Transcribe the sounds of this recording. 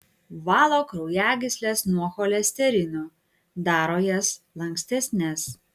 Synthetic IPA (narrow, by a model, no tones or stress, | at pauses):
ʋɑːlˠoːkɾɔʊjæːɡʲɪsʲlʲɛsnuɔxɔlʲɛsʲt̪ʲɛɾʲɪnʲʊ | d̪ɑːɾoːjɛslˠɐŋʲksʲt̪ʲɛsʲnʲɛs